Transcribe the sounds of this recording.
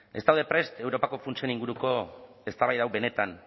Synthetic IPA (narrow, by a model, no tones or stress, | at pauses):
e̞st̪awðe̞pɾe̞st̪e̞wɾo̞pako̞funt͡sieniŋɡuɾuko̞ | e̞st̪aβajðawβe̞ne̞t̪an